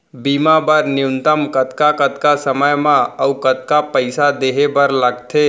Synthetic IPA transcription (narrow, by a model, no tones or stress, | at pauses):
bimabəɾniunt̪əmkət̪kakət̪kasəməjmãəukət̪kapəɪsad̪eɦebəɾləɡt̪ʰe